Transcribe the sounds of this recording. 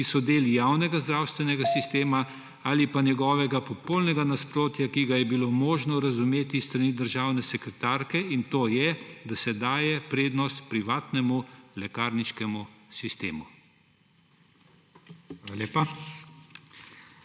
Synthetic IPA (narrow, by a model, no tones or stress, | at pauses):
kisɔd̪eːljaːwnɛɡazd̪ɾaːwst̪ʋɛnɛɡasist̪eːma | aːlipanjɛɡɔːʋɛɡapɔpolnɛɡanaspɾoːt̪jakiɡajɛbiloːmoːʒnɔɾazumeːt̪ist̪ɾaniːd̪əɾʒaːwnɛsɛkɾɛt̪aːɾkɛint̪oːjɛd̪asɛd̪aːjɛpɾeːd̪nɔst̪pɾiʋaːt̪nɛmulɛkaːɾniʃkɛmusist̪ḛːmu | aleːpa